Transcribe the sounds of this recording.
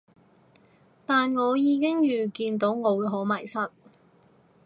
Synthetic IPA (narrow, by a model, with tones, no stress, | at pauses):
t̪aː˨nŋɔː˨˧jiː˨˧kɪ˥ŋjyː˨˩kiː˧nt̪o˨˥wŋɔː˨˧wuː˨˧ɦo˨˥wmɐ˨˩jsɐ˥t̚